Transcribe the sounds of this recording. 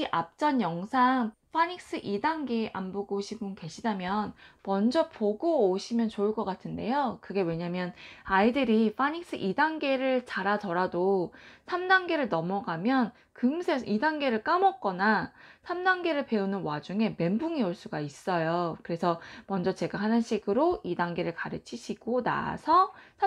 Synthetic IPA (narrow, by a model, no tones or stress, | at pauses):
iʔap̚t͡ɕ͈ʌnjʌŋsʰaŋɸʰaɲik̚s͈ɯʔidaŋɡeamboɡoɕʰibuŋke̞ɕʰidamjʌnmʌnd͡ʑʌpoɡoːɕʰimjʌnt͡ɕoɯɭk͈ʌk͈atʰɯnde̞̰jokɯɡe̞we̞ɲamjʌnaidɯɾiɸʰaɲik̚s͈ɯ̰ʔidaŋɡe̞ɾɯɭt͡ɕaɾatʌɾadosʰamdaŋɡe̞ɾɯɭnʌmʌɡamjʌn | kɯŋsʰeidaŋɡe̞ɾɯɭk͈amʌk̚k͈ʌnasʰamdaŋɡe̞ɾɯɭpe̞unɯnwad͡ʑuŋe̞me̞mbuŋiuɭs͈uɡais͈ʌjokɯɾe̞sʰʌmʌnd͡ʑʌt͡ɕe̞ɡaɦanɯnɕʰiɡɯɾoidaŋɡe̞ɾɯɭkaɾɯt͡ɕʰiɕʰiɡ̥ona̰sʰʌ